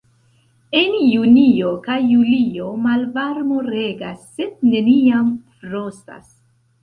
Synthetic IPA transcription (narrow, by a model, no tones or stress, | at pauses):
e̞njuniokajːulio̞malvaɾmo̞ɾe̞ɡasːe̞d̚ne̞niamfɾo̞sta̰s